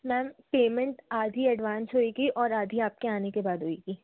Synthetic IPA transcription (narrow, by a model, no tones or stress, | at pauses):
mɛ̃ːmpeːmə̃ɳʈaːd̪ʱiɐɖʋãːnsɦoːiɡiʔɔːɾaːd̪ʱiaːp̚keaːnekebaːd̪ɦoːiɡiː